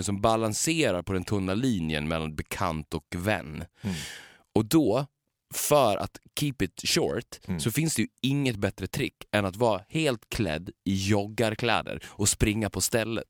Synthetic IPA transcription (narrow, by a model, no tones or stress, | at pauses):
sɔmbalanseːɾaɾpʰɔd̪ɛnt̪ʰɵnːaliːnjə̰nmɛlːanbɛkʰa̰nt̪ɔkvɛ̰nː | ɔd̪ɔ | fœɾʔa̰t̪kʰiːpɪt̪ʃɔ̰ːɾt̪sɔfɪnsd̪ɛjɵɪŋːət̪̚bɛt̪ɾət̪ʰɾɪkːɛnat̪vɑːɾaheːlt̪kʰlɛ̰d̪ːɪjɔɡːaɾkʰlɛ̰ːd̪ə̰ɾɔspɾɪŋːapʰɔst̪ɛlːə̰t̪